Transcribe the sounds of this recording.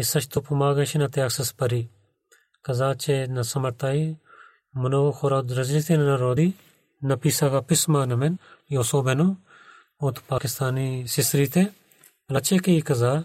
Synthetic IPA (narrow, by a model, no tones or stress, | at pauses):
esɐʃt̪upumaːɡɐ̃ʃinɐt̪eɐksɐspɐɾiː | kɐzaːt͡ʃenɐsɐmɐɾt̪aːi | mʊnoxʰoːɾad̪ɾɐzlit̪ʰenɐnɐɾoːd̪iː | nɐpiːsaːkapɪsmaːnɐmenjoːsoːbenũ | oːt̪paːkɪst̪aːnisɪsɾiːt̪ʰe | pɐlɐt͡ʃeːkeikɐzaː